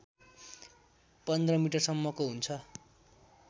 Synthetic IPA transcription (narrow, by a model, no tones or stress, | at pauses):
pʌnd̪rʌmiʈʌrsʌmːʌkoɦunt͡sʰʌ